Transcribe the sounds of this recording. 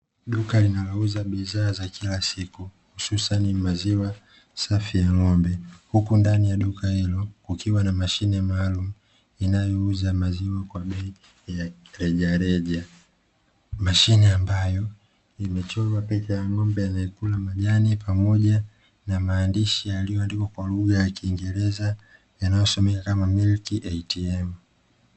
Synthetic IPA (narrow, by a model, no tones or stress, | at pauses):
ɗukalinawauzaɓizaːzakʰilasikuhususanimaziwa | safijaŋɔmbɛhukundanijaɗukahilɔkukiwanamaʃinɛmaːlumu | inajɔuzamaziwakwaɓɛi | jaɾɛʄaɾɛʄa | maʃinɛambajɔ | imɛt͡ʃɔlwapɛt͡ʃajaŋɔmbɛjanaɛkulamaʄanipamɔʄa | namaːndiʃijalijɔandikɔkwaluɣajakiːŋɡɛɾɛza | janajɔsɔmɛkakamamilkiʔɛtiɛm